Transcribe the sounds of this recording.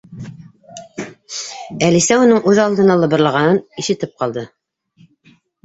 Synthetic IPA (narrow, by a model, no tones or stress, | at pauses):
ælisæunɤɴʉðɑlˠd̪ɤ̆nɑlˠɤ̆βɤ̆ɾlˠɑʁɑnɤniʃɘ̆t̪ɘp̚qɑlˠd̪ɤ